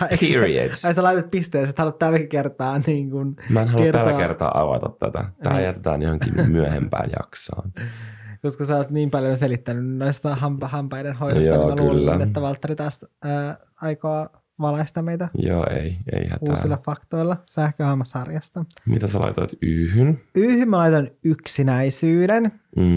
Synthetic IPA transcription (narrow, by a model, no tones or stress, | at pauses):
ɑiɹiḛɑisɑlɑit̪ot̪̚pist̪eːset̪hɑlut̪t̪ælkikert̪ɑːniːŋkunmæenɦɑluerælːkert̪ɑ̰ːʔɑʋɑt̪ɑt̪t̪æt̪ææːjæt̪et̪æːnjohoŋkinmyæhempæ̰ːjɑksɑːnkoskɑseoːt̪niːmpɑljons̬elit̪ːænynnoist̪ɑɦɑmpɑhɑmpɑjdenhojdojsoːmɑlkyːliːænet̪ːæʋɑlt̪ːɑrit̪ɑːsəː | ɑjkoɑ | ʋɑlɑist̪ɑmeit̪æjo̰ːeiḛihæ̰tuːsilːɑfɑkt̪oilːɑsæhkøhɑmːɑsɑrjɑst̪ɑmit̪æsɑlɑ̰ijt̪oit̪yːhynyːhymmælɑit̪onyksinæisyːden̩ː